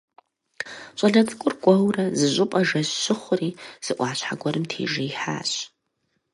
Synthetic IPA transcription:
t͡ʃʼɐɮɐd͡zʼɨkʷʼʊrɡʷʼɐwrɐzɨʑʷʼɪpʼɐʒɐɕːɪχʷʊriːz̥ɨʔʷɑːɕħa̰ɡʷɐɾɨmtʰḛːʒɐjħa̰ːɕ

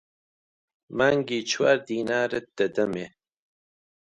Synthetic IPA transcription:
maŋɡiːt͡ʃʰwaːɾd̪iːnaːɾət̪̚d̪̥ɐd̪ɐme

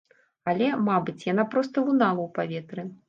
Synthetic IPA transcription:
alʲɛmabɨt͡sʲjanapɾɔst̪ɐunalˠɐwpavʲɛt̪ɾɨ

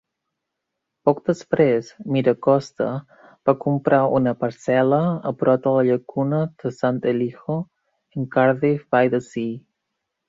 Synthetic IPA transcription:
pɔk̚d̪əspɾezmiɾəkɔst̪ə̰ | b̥akumpɾʔaunəpəɾsɛləə̰pɾɔt̪ələʎəkunəd̪̥əsant̪elixo | əŋkaɾðifbajðəsi

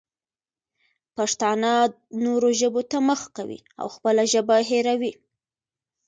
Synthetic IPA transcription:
paʂt̪ɑna | noɾoʒəbot̪aməxkawḭ | a̰wxpəlaʒəbaɦeɾawi

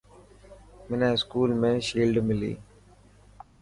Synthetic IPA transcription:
mɪnaːskuːlmeʃiːlɖmilḭ

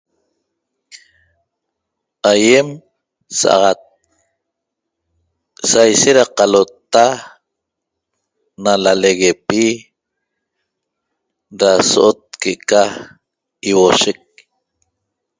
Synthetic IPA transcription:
aje̞m | sa̰ʔɑ̰ʁɑt̪̚ | sajʃeɾaqɑlot̪ːa | nalaleɣepi | ɾasoʔot̪̚keʔeka | iwoʃek̚

